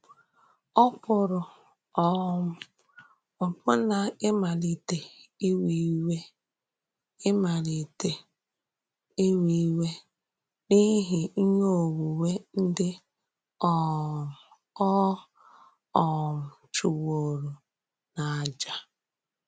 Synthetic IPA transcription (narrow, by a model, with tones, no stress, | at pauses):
ɔ˦pʊ˨ɾʊ˨ | ɔ˦m̩˦˨ | ʊ˨pʊ˦na˨ɪ˦ma˨li˨te˨i˦wi˦we˦ | ɪ˦ma˨li˨te˦ | i˦wi˦we˦ | ni˦ɦɪ˨i˦ɲo˦˨wu˨we˦n̩˦dɪ˦ | ɔ˦˨ | ɔ˦ | ɔ˨m̩˨t͡ʃu˨wo˨ɾu˨ | na˨a˨d͡ʒa˦